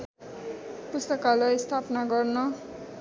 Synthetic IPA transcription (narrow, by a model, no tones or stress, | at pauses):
pust̪ʌkalʌjst̪ʰapnaɡʌrnʌ